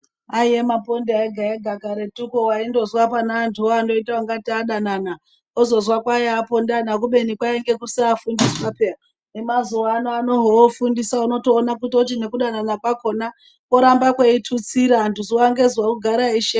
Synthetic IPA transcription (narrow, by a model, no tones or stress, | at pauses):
aiemapo̞ndiaeɡʱaeɡʱaɡaɾetukowaindo̞zwapanaːntʰuoando̞itaaŋɡatiaɗanana | ozo̞zwakwajapo̞ndanak̬uɓe̞nikwaeŋɡe̞kusiafundisipapea | nemazuʋaːnoano̞ɦoofundisauno̞toːnak̬utot̬ine̞kuɗananakwako̞na | koɾambakweitʰut͡siɾaːntuzuaŋɡe̞zwakuɡʱaɾaiʃe